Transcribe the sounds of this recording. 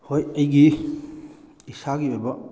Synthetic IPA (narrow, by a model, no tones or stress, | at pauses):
hojɐjɡi | isaɡibojbɐ